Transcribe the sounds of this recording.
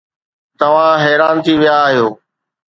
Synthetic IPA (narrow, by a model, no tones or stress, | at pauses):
t̪ɐʋ̤ãɦɛːɾaːnt̪ʰiʋɪjaːɦijoː